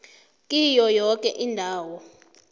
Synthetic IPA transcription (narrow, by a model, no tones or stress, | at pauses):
kʼijɔjɔkʼɛʔindʱaːwɔ